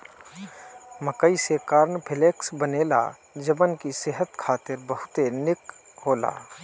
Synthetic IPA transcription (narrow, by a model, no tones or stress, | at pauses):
məkəisekaːɾnpʰɪleːksbəneːla̰ | d͡ʒəbənkiseɦət̪kʰaːt̪ɪɾbəɦʊt̪enɪk | ɦoːla̰ː